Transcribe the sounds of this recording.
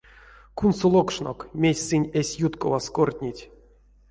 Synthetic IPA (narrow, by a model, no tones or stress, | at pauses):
kunsolˠokʂno̰kmʲesʲsɨnʲesʲjut̪ko̰vaskort̪ʲnʲitʲ